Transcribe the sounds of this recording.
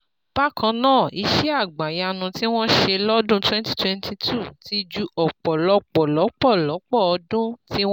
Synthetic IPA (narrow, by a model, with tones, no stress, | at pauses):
b̥a˦kã˧nãː˦˨i˧ʃɛ˦a˦˨ɡ͡ba˨ja˧nũ˧ti˦w̃ɔ̃˦ʃe˧lɔ˦dũ˦twɛ̃˦nti̥˦twɛ̃˧˦ntʰi˧tʰu˦˨ti˦d͡ʒu˧ʔɔ˨k͡pɔ˨lɔ˧˦k͡pɔ˨lɔ˨˦k͡pɔ˦˨lɔ˨˦k͡pɔ˦˨ɔ˧˦dũ˦tĩ˦